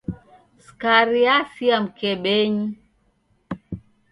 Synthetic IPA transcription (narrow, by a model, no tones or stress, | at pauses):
skaɾiasiam̩kɛɓɛɲi